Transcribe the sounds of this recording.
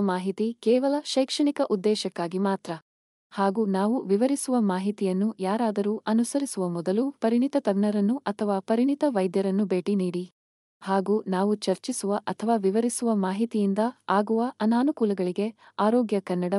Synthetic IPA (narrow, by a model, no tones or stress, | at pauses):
maːɦit̪ikɛːʋɐlɐʃɐjkʂɐɳikɐʔud̪ːɛːʃɐkːaːɡimaːt̪ɾɐ | haːɡuːnaːʋuʋiʋɐɾisuʋɐmaːɦit̪ijɐnːujaːɾaːd̪ɐɾuːʔɐnusɐɾisuʋɐmɔd̪ɐlupɐɾiɳit̪ɐt̪ɐɡɳɐɾɐnːuʔɐt̪ʰɐʋaːpɐɾiɳit̪ɐʋɐjd̪jɐɾɐnːubeːʈiniːɽi | haːɡuːnaːʋut͡ʃɐɾt͡ʃisuʋɐʔɐt̪ʰɐʋaːʋiʋɐɾisuʋɐmaːɦit̪ijind̪ɐaːɡuʋɐʔɐnaːnukuːlɐɡɐɭiɡe̞aːɾoːɡjɐkɐnːɐɽɐ